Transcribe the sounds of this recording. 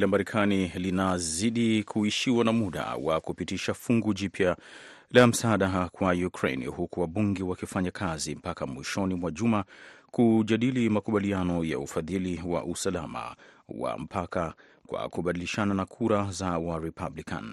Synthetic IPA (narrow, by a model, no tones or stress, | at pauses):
lamaɾɛkʰanilinaziɗikʰuiʃiwanamuɗa̰wa̰kupitiʃafuŋɡuʄipja | lam̩saːɗakwajukɾḛjnhukuwaɓuŋɡɛwakifaɲakʰazim̩pakamwiʃɔnimwaʄumakuʄaɗilimakuɓalianɔja̰ufaðiliwa̰ʔusalama̰wa̰m̩pʰaka | kwa̰kuɓaɗiliʃananakʰuɾazawaɾipʰablika̰n